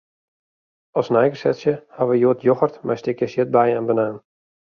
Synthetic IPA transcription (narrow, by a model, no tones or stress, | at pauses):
ɔsnɛjɡəsɛtsjəhaʋəjuətʰjoxərtmɛjstɪkjəsjɪt̚bajɛnbənaːn